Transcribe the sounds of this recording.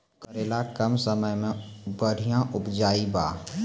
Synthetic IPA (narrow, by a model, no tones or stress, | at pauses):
kəɾeːlakəmsəməjmẽbəɽ̤ijãʔʊpd͡ʒaːibaː